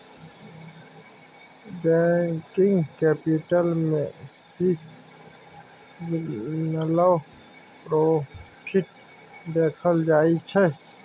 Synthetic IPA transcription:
bɛːkɪ̃ŋɡkɛːpɪʈəlmḛ̃siːk | nələw | pɾoː | pʰɪʈ̚ | d̪eːkʰəld͡ʒaːit͡ʃʰɛ

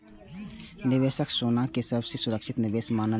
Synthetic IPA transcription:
nɪʋeːʃəksoːnakesəbsesʊɾəkʃɪt̪nɪʋeːsmaːnə

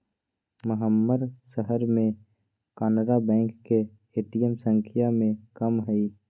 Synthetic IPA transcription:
mʊɦəmːəɾsəɦəɾmẽ | kaːnəɾabɛ̃ːŋkːe | eːʈijəmsə̃ŋkʰijamẽkəmɦəi

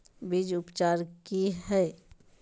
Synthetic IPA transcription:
bid͡ʒʊpt͡ʃaːɾkiɦɛː

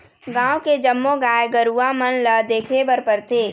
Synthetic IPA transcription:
ɡãːwked͡ʒəmːoɡaːjɡəɾuːamənləd̪eːkʰebəɾpəɾt̪eː

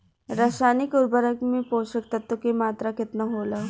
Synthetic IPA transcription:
ɾaʃaːnikuɾbəɾəkmipoːɕək̚t̪ɐt̪ːəkemaːt̪ɾakɪt̪naɦola

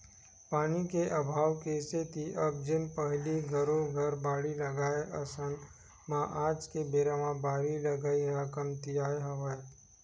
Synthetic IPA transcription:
paːnikeʔəbʱaːwkeːset̪ʰiʔɐb̚d͡ʒɪnpɐɦliɡʱɐɾõɡʱɐɾbaːɽilɐɡaːeʔɐsən | mãʔaːd͡ʒkebeːɾamãbaːɾilɐɡaːiɾakəmt̪ijaːeɦɐʋaːt̪

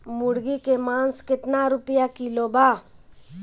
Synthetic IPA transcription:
mʊɽɡikemãːnskɪt̪naɾʊpjakilobaː

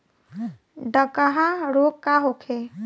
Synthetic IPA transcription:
ɖəkəɦãɾokkːaɦokʰe

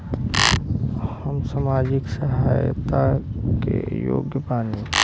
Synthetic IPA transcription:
həmsamaːd͡ʒɪksəɦaːjt̪akḛjo̰ːɡjəpaːni

